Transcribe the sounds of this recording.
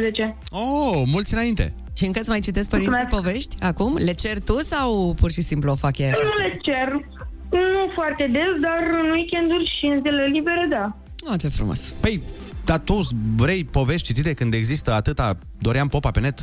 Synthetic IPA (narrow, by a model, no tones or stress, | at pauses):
zet͡ʃeomult̪sʲiɨnaint̪e̞̰ | ʃiɨŋkəsmajt͡ʃit̪esk̚pəɾinmeispove̞ʃt̪ʲakumle̞t͡ʃe̞rt̪usawpurʃisimpluofakjeɾnulet͡ʃer | nufoart̪e̞d̪esd̪arɨnuwikʲend̪urʃinzelelibeɾed̪a | oat͡ʃefɾṵmo̰spej | d̪at̪uvɾejpo̞ve̞ʃt̪̚t͡ʃit̪it̪e̞kɨnd̪e̞ɡzist̪əat̪ɨt̪a | d̪o̞ɾeampo̞pape̞ne̞t̪